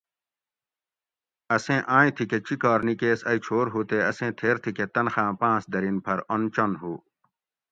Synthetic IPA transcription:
ɐsẽːʔãːĩt̪ʰiket͡ɕikɔːɾnikeːsɐit͡ɕʰoːɾɦuːt̪eɐsẽːt̪ʰeːɾt̪ʰiket̪ɐnxãːpãːsd̪ɐɾinpʰɐɾont͡ɕonɦuː

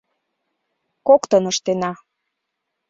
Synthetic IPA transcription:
kokt̪ɤnɤʃt̪enɑ

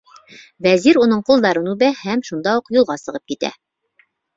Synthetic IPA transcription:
bæziɾunɤɴqulˠd̪ɑɾɤnʉbæhæmʃund̪ɑuqjulˠʁɑsɤ̆ʁɤp̚kit̪æ̰

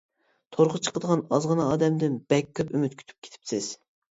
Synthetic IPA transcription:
t̪ʰoɾʁət͡ʃʰə̥qəd̪əʁɑnɑzʁənɑɑːd̪ɛmd̪ɪnb̥ɛkʲːøpymyt̪̚kʲʰy̥t̪ʰy̥p̚kʲʰe̥t̪ʰɪ̥psɪz̥

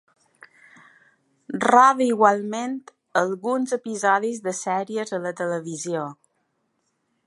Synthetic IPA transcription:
raβəiɣwalˠment̪ | əlˠɣunzəpizɔðizðəsɛɾiəzələt̪ələβizio

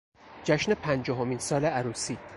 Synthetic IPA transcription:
d͡ʒæʃne̞pʰænd͡ʒɒːɦomiːnsɒːleæɾuːsiː

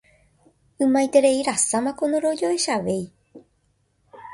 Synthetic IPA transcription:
ɨmãjt̪e̞ɾe̞iɾasamãko̞noɾo̞d͡ʒoeʃaʋei

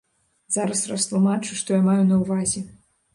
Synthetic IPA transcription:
zaɾɐsrɐst̪lˠumat͡ʂuʂt̪ɔjamajunɐwvazʲɛ

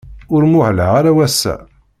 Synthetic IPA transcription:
ʊɾmʊʕləʁaɾawæsːæ̰

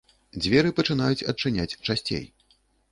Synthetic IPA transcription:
d͡zʲvʲɛɾɨpɐt͡ʂɨnajut͡sʲɐt͡ʂɨnʲat͡sʲt͡ʂasʲt͡sʲḛj

